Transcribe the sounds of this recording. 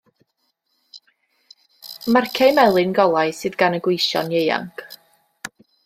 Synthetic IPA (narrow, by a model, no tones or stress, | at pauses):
markʰejmɛlˠɨnɡɔlˠajsɨːðɡanəɡwejʃɔ̰njeja̰ŋkʰ